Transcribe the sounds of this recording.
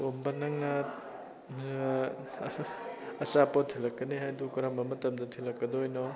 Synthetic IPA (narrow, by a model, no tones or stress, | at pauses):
ombɐnɐŋnɐ | ɐsapɔtʰilɐkːɐnihajdukɐɾambɐmɐtɐmdɐtʰilːɐkːɐdojnɔ